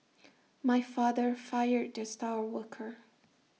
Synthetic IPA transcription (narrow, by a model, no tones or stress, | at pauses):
maɪfɑðə˞faɪə˞d̚d͡ʒʌstaʊə˞wʊkʰə˞